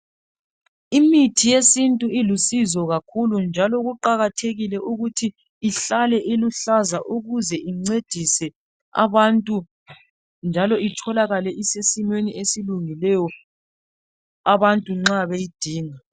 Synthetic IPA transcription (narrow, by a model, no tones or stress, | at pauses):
imitʰijesintʼuilusizɔɣakʰulund͡ʒʱalɔɣuǃaɣatʰeɣilɛʔuɣutʰiː | ɬalɛʔeluɬazaʔuɣuzɛʔiŋ͡ǀed̥ʱisɛ | a̰βantʼu | nd͡ʒʱalɔʔitʰɔlaɣalɛʔisesimweniʔesiluŋilɛjɔ | aβantʼuŋ͡ǁaβejid̥ʱiːŋa